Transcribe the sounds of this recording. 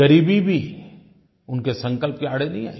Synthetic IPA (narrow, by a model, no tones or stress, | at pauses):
ɐɾiːbʱibʱi | ʊnkesɐ̃ŋkəlpkiaːɽ̤enɐɦĩa̰ːi